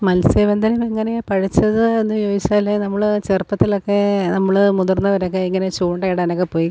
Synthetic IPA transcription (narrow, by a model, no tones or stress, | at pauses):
mɐlseʋɐnd̪ɐnɐmeŋːɐnepɐɻit͡ɕːɐðɨe̞nːɨjoːit͡ɕːaːlːenɐmːɐɭɨt͡ɕerpːɐt̪ːilokːe̞nɐmːɐɭɨmuðurnːɐʋɐɾok̬ːe̞iŋːɐne̞t͡ɕuːɳɖɐiɽaːnokːe̞poːji